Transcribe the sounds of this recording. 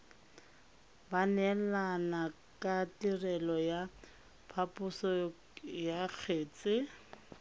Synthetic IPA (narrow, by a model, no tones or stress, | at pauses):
banɛlana | kʼatirɛlɔja | pʰapʼʊsɔ | jak͡xʰeːt͡sʼɪ